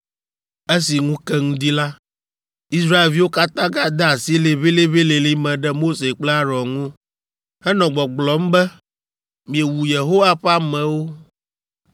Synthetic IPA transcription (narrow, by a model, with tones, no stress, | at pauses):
e˦si˨ŋũ˦kɛ˦ŋũ˦d̪i˦la˦ | i˦sɾa˦e˨lvi˦wo˦ka˦t̪ã˦ɡã˦d̪ɛ˦a˨si˦le˨βe˦le˦βe˦le˨li˦mɛ̃˨ɖɛ˦mo˦se˨k͡plɛ˦a˦ɾɔ˨ŋũ˦ | hɛ˦nɔ̃˨ɡ͡bɔ˨ɡ͡blɔ˨˦m̩˦bɛ˦ | mĩ˨e˨wu˨je˨ɦo˦wa˦ɸɛ˦a˦mɛ̃˨wo˦